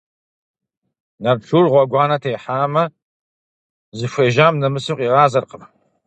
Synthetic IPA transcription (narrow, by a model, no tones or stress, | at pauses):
nɐrɬʰurʁʷɔɡʷɑːnɐtʰejħaːmɐ | zɨʃʷeːʒaːmnɐmɨsɨqʼiːʁɑːzɐrqəm